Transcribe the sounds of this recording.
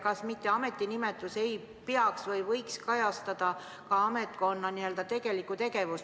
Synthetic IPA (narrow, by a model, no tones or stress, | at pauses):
kɑsmit̪ːe̞ɑme̞t̪ːˑinime̞t̪ːˑuse̞j | peɑksvɤjvɤjkskɑjɑst̪ɑd̪̥ɑ | kɑɑme̞t̪̚ko̞nːɑniø̞ld̪ɑt̪e̞ɡ̥e̞likːˑut̪e̞ɡe̞vus